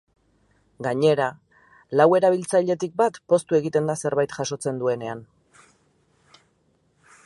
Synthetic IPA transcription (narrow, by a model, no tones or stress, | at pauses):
ɡaɲe̞ɾa | lawe̞ɾaβ̞ilt͡saʎe̞t̪ik̚bat̪po̞st̪ue̞ɣit̪e̞nd̪ase̞ɾβajt̪ʝaʃo̞t͡se̞nd̪ue̞ne̞an